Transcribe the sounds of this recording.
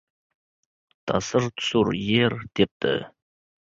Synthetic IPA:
t̪ʰɑ̰səɾt̪ʰʊ̥suɾjeɾd̪̥ep̚t̪ʰɪ̰

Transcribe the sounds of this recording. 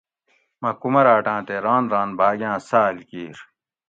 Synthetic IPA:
mɐkumɐɾaːʈãːt̪eɾaːnɾãːnbʱaːɡjãːsaːlkiːɾ

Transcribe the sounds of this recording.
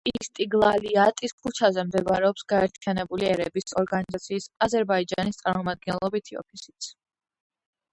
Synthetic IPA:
ist̪ʼiɡlˠaliat̪ʼiskʰut͡ʃʰazɛmd̪ɛbaɾɛɔpsɡaɛɾt̪ʰijanɛbuliɛɾɛbisɔɾɡanizat̪sʰiːsazɛɾbaid͡ʒa̰nist̪sʼaɾmɔmad̪̚ɡɛnlˠɔbit̪ʰiɔ̰pʰisi̥t̪sʰ

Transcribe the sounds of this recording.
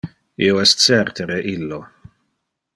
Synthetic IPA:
ḭoɛst̪sɛrt̪ʰeɾeʔilːo

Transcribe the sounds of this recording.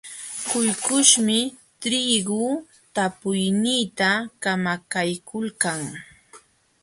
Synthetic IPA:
kʊjkʊʃmɪt̪ɾiɢʊ | t̪apʊjniːt̪akamakajkʊlkaŋ

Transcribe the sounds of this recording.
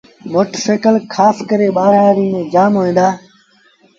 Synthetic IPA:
moːʈəseːkəlkʰaːskəɾeːɓaːɾaːɾiːmẽːd͡ʒaːmɦoːĩːnd̪aː

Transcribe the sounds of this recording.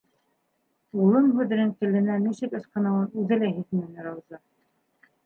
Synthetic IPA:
ulˠɤmɦʉðɘ̆ɾɘŋk̪ɘ̆lɘ̆næmiʃɘ̆kɘ̆sqɤ̆nɑwɤnʉðɘ̆læɦit̪mæɘnɘ̆ɾɑwzɑ

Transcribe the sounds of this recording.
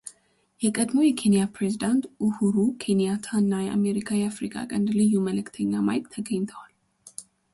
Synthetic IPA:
jɛkʼəd̪mo̞jɛkʰe̞nijapɾe̞zid̪ant̪ʔʊhuɾukʰe̞nijat̪ʰanːajɛʔa̰me̞ɾikʰajɛafɾikʼa̰kʼənd̪lɨjːuməlɨkt̪ʰəɲːama̰jk̪ʼt̪ʰəɡəɲːt̪ʰəwal

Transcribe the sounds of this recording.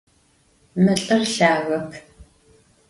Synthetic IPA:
mɨɬʼɨrɬaːɣɐkʰ

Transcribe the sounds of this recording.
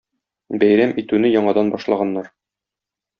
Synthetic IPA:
bæjɾæmit̪ʉnɘjɒɴɑd̪ɑnbɒʃlˠɑʁɑnːɑɾ

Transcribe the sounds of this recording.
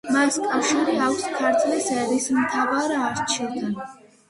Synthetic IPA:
maskʼafʃiɾiawskʰaɾt̪ʰʼlisɛɾismt̪ʰavaɾaɾt͡ʃʰid̪a

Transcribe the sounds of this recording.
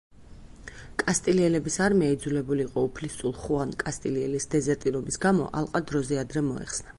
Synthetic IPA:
kʼast̪ʼiliɛlɛbisaɾmiaid̪zulɛbuliːqʼɔupʰlist̪ʼulˠχuankʼast̪ʼiliɛlisd̪ɛzɛɾt̪ʼiɾɔbisɡamɔ̰ʔa̰lˠqʼad̪ɾɔzɛad̪ɾɛmɔɛ̰χsna

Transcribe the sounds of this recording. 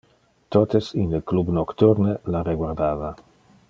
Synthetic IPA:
t̪ot̪esinləklubnokt̪uɾnelareɡwaɾd̪aːva

